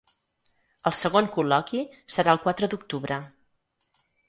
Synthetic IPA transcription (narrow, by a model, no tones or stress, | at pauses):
əlˠsəɣoŋkulɔkisəɾaəlˠkwat̪ɾəd̪uk̚t̪uβɾə